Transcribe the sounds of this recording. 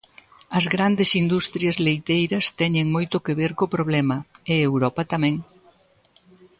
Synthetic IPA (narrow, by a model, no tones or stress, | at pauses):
ɐzɣɾand̪ɪsind̪ust̪ɾjɐzlejt̪ejɾɐst̪ɛɲeŋmojt̪ʊkeβeɾkopɾoβlɛmɐɪewɾɔpɐt̪amɛ̃ŋ